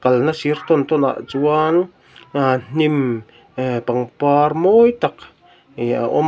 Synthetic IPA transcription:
kalnasiɾt̪ont̪ona̰ʔt͡suan | an̥im | epaŋpaɾmojt̪ak | ia̰ʔom

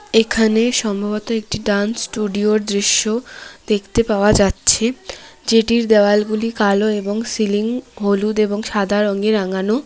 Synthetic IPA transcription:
ekʰaneʃɔmbʱabot̪oek̚ʈiɖansʈuɖioɾd̪ɾiʃːod̪̥ekʰt̪epaoad͡ʑatːɕʰed͡ʑeʈiɾd̪ɛwalɡulikaloeboŋsiliŋɦolud̪eboŋʃad̪ʱaɾɔŋɡeɾaŋano

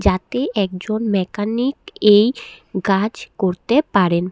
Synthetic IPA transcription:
d͡ʑat̪eʔɛkd͡ʑonmɛkanikejkad͡ʑkoɾt̪epaɾen

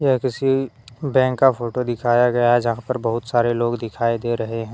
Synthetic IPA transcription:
jɐɦkɪsi | bɛ̃ːŋkːafʰoːʈod̪ɪkʰaːjaɡɐjaɦɛd͡ʒɐɦãpɐɾbɐɦʊt̪saːɾeloːɡd̪ɪkʰaːid̪eɾɐɦeɦɛ̃ː

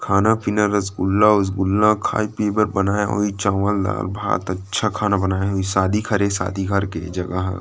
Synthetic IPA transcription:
kʰaːnapɪnəɾɐsɡʊlːaʊs̬ɡʊlːãkʰa̰ːipeːbəɾbɐnaːjaɦo̰ːit͡ʃaːʋəlda̰ːɾbʱa̰ːt̪ɐtːʃʰakʰaːnabɐnaːjaɦoːisaːd̪ʱikʰɐɾesa̰ːd̪ʱiɡʱəɾkḛd͡ʒɐɡə̰ɦ

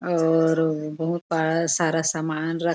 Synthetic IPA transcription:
ɔːɾbɐɦut̪̚baɭasaːɾasaːmaːnɾə

